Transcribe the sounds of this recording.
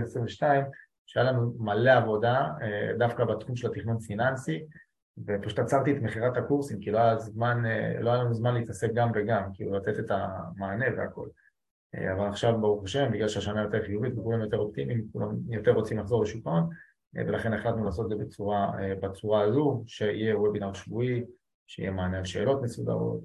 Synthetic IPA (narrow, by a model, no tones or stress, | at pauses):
esʁiveʃtaim | ʃeajalanumaleavo̞daed̪afkabat̪χumʃe̞lat̪iχnonfinansi | vepaʃu̥t̪at͡saʁt̪iet̪meχiʁat̪hakuʁsimkiloajazmanloajalanuzmanleit̪asek̚ɡamve̞ɡamkiːlulat͡se̞t̪et̪amaːnevea̰ko̞̰l | ḛavalaχʃavbaʁuχaʃe̞mbiɡlalʃeaʃanajo̞t̪e̞ʁχijuvit̪vekulamjo̞t̪e̞ʁo̞p̚t̪imimkulʔa̰mjo̞t̪e̞ʁʁot͡simlaχzo̞le̞ʃukaon̰ | velaχe̞neχlat̪nulaːsot̪dzebet͡suʁaebat͡suʁaːzuʃe̞ḭjeuebinaʃvui | ʃeḭjemaːnealʃe̞̰ːlo̞t̪mesud̪a̰ʁo̞̰t̪